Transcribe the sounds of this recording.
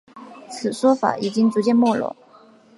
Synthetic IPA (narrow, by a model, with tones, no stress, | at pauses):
t͡sʰɹ̩˨˩ʂwɔ˥fa̰˧˩i˨˩t͡ɕi˥ŋt͡su˧˥t͡ɕjɛ˥˧nmwɔ˥˩lɔ̰˧˥˩ŋ